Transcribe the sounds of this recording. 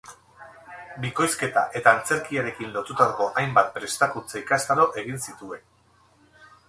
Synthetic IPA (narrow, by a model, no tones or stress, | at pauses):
biko̞jske̞t̪a̰ʔe̞t̪aːnt͡se̞ɾkiaɾe̞kinlo̞t̪ut̪aɣo̞ʔajmbat̪̚pɾe̞st̪ak̪unt͡saikast̪aɾo̞ʔe̞ɣ̞insit̪ue̞n